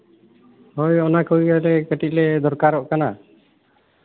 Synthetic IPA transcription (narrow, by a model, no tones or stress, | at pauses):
hɔjɔnakʰujɡalɛkəʈiʔ̚lɛd̪ɔɾkaɾɔʔkana